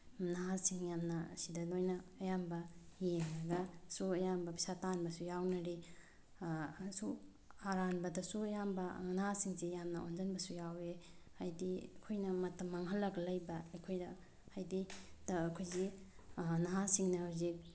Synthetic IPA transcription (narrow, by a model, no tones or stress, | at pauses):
naɦasiŋjamnɐsidɐlojnɐːjambɐjeŋlɐɡɐsuɐjambɐpʰi̥satanbɐsujawnɐɾi | su | aɾanbɐdɐsuɐjambɐnaɦasiŋzijamnɐond͡ʒɐnbɐsujawehajdiɐkʰojnɐmɐtʰɐmːaŋɦɐlːɐɡɐlɐjbɐɐjkʰojdɐ | hajdid̥ɐːkʰojzi | naɦasiŋnɐhawzik̚